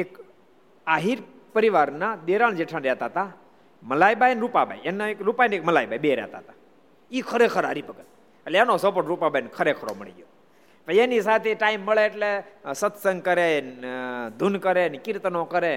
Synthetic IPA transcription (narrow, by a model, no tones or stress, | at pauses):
ek | aɦiːɾ | pəɾiʋaɾnad̪eɾaɳd͡ʑeʈʰãnɾjɛt̪at̪a | məlajbajnɾupaba̰jenːaekɾupajnekməlajbajbeɾjɛ̰t̪a̰t̪a | ikʰəɾekʰəɾaɾipəɡət̪ | əljanosopəʈɾupabajnkʰəɾekʰəɾo̰məɭḭɡo | pəjenisat̪ʰeʈaimːəɭeʈlesət̪səŋɡkəɾend̪ʱunkəɾenikiɾt̪ənokəɾe